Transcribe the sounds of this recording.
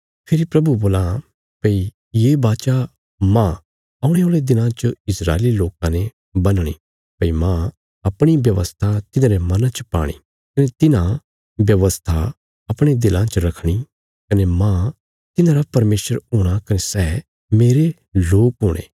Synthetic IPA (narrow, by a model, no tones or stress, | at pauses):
pʰɪɾipɾɐbuboːlã | pɐi | jeːbaːt͡ʃa | mã | ɐʊɽ̃eoːled̪ɪlãt͡ʃəɪsɾa̰ːeliloːkãne | bɐnɽ̃ḭ | pɐimã | ɐpɽ̃ibjɐʋəst̪ʰat̪ɪnãːɾemɐnãt͡ʃəpa̰ːɽ̃ḭ | kɐnet̪ɪnã | bjɐʋəst̪ʰa | ɐpɽ̃ed̪ɪlãt͡ʃəɾɐkʰɽ̃i | kɐnemã | t̪ɪnãːɾapɐɾmeːsəɾɦʊːɽ̃akɐnesɛː | meːɾe | loːkɦʊ̃ːɽ̃ḛː